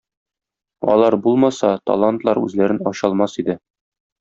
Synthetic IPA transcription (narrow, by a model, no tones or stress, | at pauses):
ɒ̰lˠɑɾbulˠmɑsɑt̪ɒ̰lˠant̪lˠɑɾʉ̰zlæɾɘnɒɕɑlˠmɑsid̪ɘ